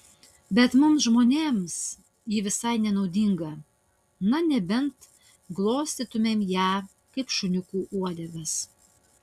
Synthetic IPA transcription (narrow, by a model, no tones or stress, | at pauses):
bʲɛt̪mʊmsʒmoːnʲeːms | jɪʋʲɪsɐɪnʲɛnɒʊd̪ʲɪŋɡɐ | nɐnʲɛbʲɛnt̪ | ɡlˠoːsʲt̪ʲit̪ʊmʲeːmjæː | kɐɪpʃʊnʲʊkuːʔuɔd̪ʲɛɡɐs